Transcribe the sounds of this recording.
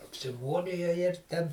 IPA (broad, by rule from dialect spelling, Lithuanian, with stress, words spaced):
ɐpʲsʲɪˈmuːrʲɪjoː ɪr ˈtʲɛn